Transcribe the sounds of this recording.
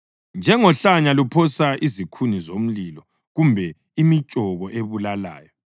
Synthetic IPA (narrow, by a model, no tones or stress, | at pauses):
nd͡ʒʱɛŋɔɬaɲalupʰɔsaʔizikʰunizom̩lilɔ | ɣumbʱɛ | imit͡ʃʼɔɣɔʔeβulala̰ːjɔ